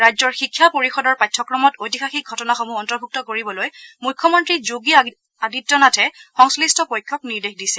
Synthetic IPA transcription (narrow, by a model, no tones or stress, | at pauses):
ɹajzɔɹxikʰːjapoɹixɔdɔɹpajtʰːɔkɹɔmɔtotixaxik̚ɡʱɔtɔnaxomuɔntɔɹbʱuk̚tɔkoɹibɔlojmujkʰːɔmɔntɹizuɡi | aditːɔnatʰɛxɔŋslistɔpojkʰːɔkniɹdexdisɛ̥